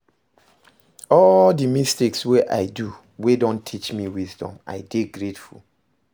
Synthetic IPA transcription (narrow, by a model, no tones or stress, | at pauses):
ɔldimisteksweʔa̰ɪdu | wedõntʰit͡ʃmiwizdɔ̰̃ma̰ɪdeɡɹetfṵl